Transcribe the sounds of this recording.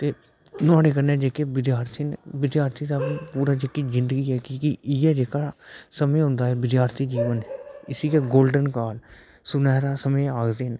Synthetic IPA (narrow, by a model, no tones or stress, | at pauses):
t̪eː | nʊaːɽeːkəɾneːd͡ʒeːkeːʋɪd̪jaːɾt̪ʰinʋɪd̪jaːɾt̪ʰiːd̪aːpːpuːɾaːd͡ʒekːiːzɪ̃nd̪əɡiːɛːkɪkɪɪjɛːd͡ʒeːkaːsəmẽːɦʊ̃nd̪aːɦɛːʋɪd̪jaːɾt̪ʰiːd͡ʒiːʋənɪsiːkeːɡoːlɖənkaːl | sʊnɛːɾaːsəmẽːaːkd̪eːɦn